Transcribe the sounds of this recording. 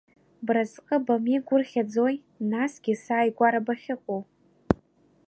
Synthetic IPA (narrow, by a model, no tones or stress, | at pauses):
brazqʼəbamiɡʷʊrχʲad͡zoj | nasɡʲɪsaːjɡʷaɾabaχʲɪqʷʼow